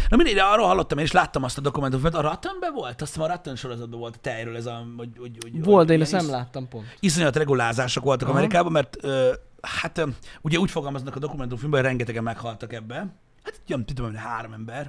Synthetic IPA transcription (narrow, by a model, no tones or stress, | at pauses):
nɒmind̪ejɾɛɒrːoːlhɒlːo̞t̪ːɒmeːniʃlaːt̪ːɒmɒst̪ɒd̪o̞kumɛnt̪̬umfimt̪ɒɾɒt̪ønbɛvo̞lt̪ɒsɛmːɾɒt̪ːonʃo̞ɾo̞zɒd̪̚bɛvo̞lt̪t̪ɛjɾøːlɛzɒooɟoɟvold̪eːnɛsnɛmlaːt̪ːɒmpo̞ntis̬o̞ɲt̪rɛɡulaːzaːʃoko̞lt̪ɒkɒmɛɾikaːbɒmɛrt̪øː | hat̪uɟɛuːcfoɡɒlmɒznɒkɒd̪o̞kumɛnt̪̬uɱfilmbɛorɛŋɡɛt̪ɛɡɛmːɛkhɒlt̪ɒkɛbːɛ | hat̪ɛt̪it̪ømɛmnɦaːɾomɛmbɛr